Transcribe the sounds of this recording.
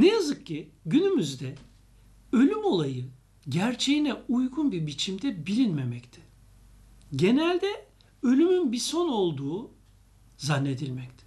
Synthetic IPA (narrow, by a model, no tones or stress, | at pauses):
nejazɯkcːʰiɟynymyzd̪ɛ | ø̞lʲymo̞lˠajɯ | ɟæɾt͡ʃʰe̞jinɛujɡunbibit͡ʃʰimd̪ɛbilʲinme̞mɛct̪ʰɪ̥ | ɟe̞nælʲd̪ɛ | ø̞lʲymynbiso̞no̞lˠd̪uː | zanːe̞d̪ilʲmɛct̪ʰɪ̥